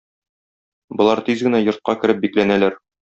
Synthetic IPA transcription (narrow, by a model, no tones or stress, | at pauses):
bŏlˠɑɾt̪izɡɘ̆næjŏɾt̪̚qɑkɘ̆ɾɘp̚biklænælæɾ